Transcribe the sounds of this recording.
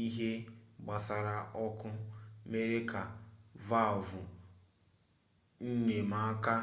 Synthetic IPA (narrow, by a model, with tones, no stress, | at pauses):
i˦ɦe˦ɡ͡ba˨sa˨ɾa˨ɔ˦kʊ˦me˦ɾe˦ka˨va˦˨vʊ˨ | n̩˦ɲe˨ma˨a˦ka˦